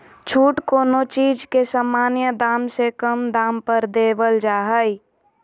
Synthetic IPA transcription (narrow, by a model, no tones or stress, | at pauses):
t͡ʃʰuːʈkoːnot͡ʃiːd͡ʒkesaːmaːnjəd̪aːmsekəmd̪aːmpəɾd̪eːʋəld͡ʒaːɦəi